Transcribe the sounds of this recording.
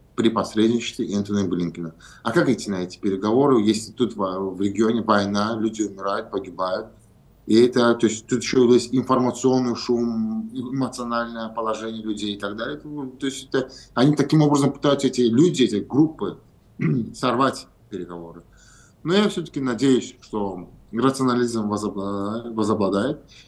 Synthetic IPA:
pɾʲɪpɐsɾʲed̪ʲnʲɪt͡ɕɪ̥st̪vʲɪʔɛnt̪ənəblʲinkʲɪnəɐkakitʲɪnɐɛtʲɪ̥pʲɪɾʲɪɡɐvo̞ɾɨjesʲlʲɪt̪ut̪vvɾʲɪɡʲɪo̞nʲɪvɐjnalʲudʲɪʊmʲɪɾajʊt̪̚pəɡʲɪbajʊt̪̚ | iɛt̪ət̪o̞ɪsʲtʲt̪ut̪̬jɪɕːojʲesʲɪnfərmət̪sɨo̞nːɨjʊʂumɪmət̪sɨɐnalʲnəjəpəlˠɐʐɛnʲɪjəlʲʉdʲejɪt̪ɐɡd̪alʲɪjət̪t̪ojsʲtʲɛt̪əɐnʲit̪ɐkʲimo̞bɾəzəmpɨ̥t̪ajʊt̪sɛtʲɪlʲudʲɪɛtʲɪɡɾupːɨ | sɐrvatʲ | pʲɪɾʲɪɡɐvo̞ɾɨ | nojafsʲɵt̪ə̥kʲɪnɐdʲejʊsʲʂt̪o̞rət̪sɨɐnɐlʲizmvəzvəzɐblˠɐd̪ajɪt̪̚

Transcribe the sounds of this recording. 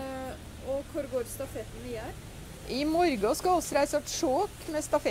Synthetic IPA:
ɔkʰʊɾɡoːɾst̪ɑfɛt̪n̩ɪæɾ | ʔɪmɔɾɡɑskɑɔsːɔɾæɪsəʈʂoːkmɛst̪ɑfɛ

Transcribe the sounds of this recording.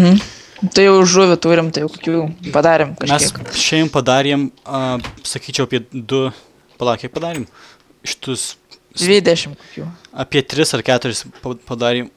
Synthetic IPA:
t̪ɐɪjɛʊʒuːʋʲʊt̪uːɾʲɪmt̪ɐɪjɛʊkokʲuːpɐd̪ɑːɾʲɪmkɐʃʲmʲɛsʲiɛkʃʲɛmpɐd̪ɑːɾʲɛm | sɐkʲiːt͡ʃʲɛʊɐpʲiɛd̪ʊ | pɐlˠɑːkʲɛkpɐd̪ɑːɾʲeːm | ʃʲɪ̥t̪ʊs | d̪ʲʋʲiːd̪ʲɛʃʲɪmkoːkʲuːɐpʲiɛt̪ʲɾʲɪsɐrkʲæːt̪ʊɾʲɪspɐpɐd̪ɑːɾʲim

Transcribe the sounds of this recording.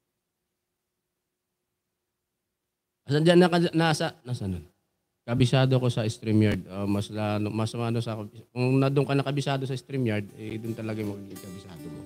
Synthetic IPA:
ʔɐsɐd͡ʒanːɐkɐnasɐnaːsɐnon | kɐbɪsaːd̪oko̞sɐɪst̪ɾimjaɹd̪̚omɐslanomɐsɐmanosɐkɐɪkʊŋnɐd̪ʊŋkɐnɐkɐbɪsaːd̪osɐʔɪst̪ɾimjaɹd̪̚ɐ̰jd̪ʊnt̪ɐlɐɡajmɐkiɡɪɡkɐbɪsa̰ːd̪oko

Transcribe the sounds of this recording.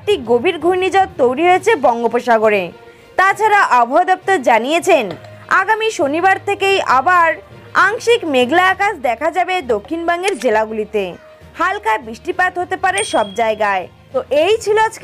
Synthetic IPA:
k̚ʈiɡobʱiɾɡʱujnid͡ʑɔt̪t̪owɾiɦoet͡ɕʰebɔŋɡopoʃaɡoɾe | t̪at͡ɕʰaɾaʔabʱoɦod̪ɔp̚t̪oɾd͡ʑanijet͡ɕʰen | aɡamiʃonibaɾt̪ʰekejʔa̰baɾ | aŋʃikmeɡlaːkasd̪ɛkʰad͡ʑabed̪okʰːinbaŋɡeɾd͡ʑelaɡulit̪e | halkaebɾiʃʈipat̪ɦot̪epaɾeʃɔbd͡ʑaeɡae | t̪oʔejt͡ɕʰiloa

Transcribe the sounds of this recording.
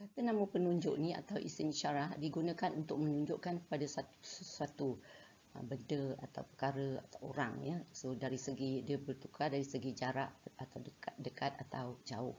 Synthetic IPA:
kat̪ənãməpənuɲd͡ʒʊ̰ʔnia̰t̪awʔḭsɪniʃaɾahdiɡunə̃kanunt̪ʊk̚mənuɲd͡ʒʊʔkankə̥padasat̪u̥səsuat̪u | ə̰bəndəa̰t̪a̰wpəkaɾəa̰t̪awʔo̰ɾaŋjəsodaɾisəɡidiəbərt̪ukʰadaɾisəɡid͡ʒaɾaʔat̪awdədəkat̪̚at̪awd͡ʒaʊh

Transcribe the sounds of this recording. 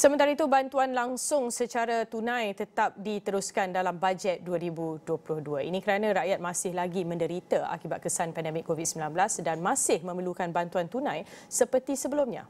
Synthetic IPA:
səmənt̪aɾait̪ubant̪uanlaŋsʊŋsət͡ʃaɾat̪unãjt̪ət̪ap̚dit̪əɾuskandalambad͡ʒɛt̪̚duəɾibuduəplʊhduəḭnĩkəɾanãɾaʔjat̪̚mãsɪhlaɡimə̃ndəɾit̪əa̰kibat̪̚kəsanpɛndɛmɪkːovit̪̚səmbilanbəlasdanmãsɪhmə̃məlukanbant̪uant̪unãjsəpərt̪isəbəlʊmɲã̰

